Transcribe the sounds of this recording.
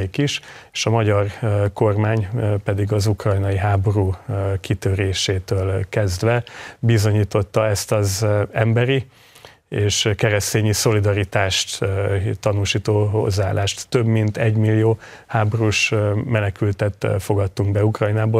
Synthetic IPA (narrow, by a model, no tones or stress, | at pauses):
ikiʃeʃɒmɒɟɒrko̞rmaːɲpɛd̪iɡɒzukrɒjnɒjiɦaːbo̞ɾuːkit̪øɾeːʃeːt̪øːlkɛzd̪vɛbizo̞ɲiːt̪o̞t̪ːɒɛst̪ɒzɛmbɛɾi | eːʃkɛɾɛst̪eːɲiso̞lid̪ɒɾit̪aːʃt̪t̪ɒnuʃiːt̪oːho̞̰zːaaːlʔaːʃt̪ːø̞bmint̪ɛɟmilːijoː | haːboɾuʃmɛnɛkylt̪ɛt̪fo̞ɡɒt̪ːuŋɡbɛukrɒjnaːboː